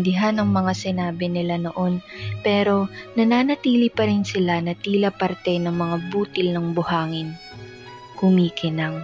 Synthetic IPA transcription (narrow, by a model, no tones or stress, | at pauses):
nd̪ɪɦanɐŋmɐŋasɪnaːbɪnɪlano̞ʔo̞npɛːɾo̞nɐnaːnɐt̪iːlipɐɾɪnsɪlanɐt̪iːlɐpɐɾt̪ɛnɐŋmɐŋabuːt̪ɪlnɐŋbʊhaːŋɪn | kʊmiːkɪnɐŋ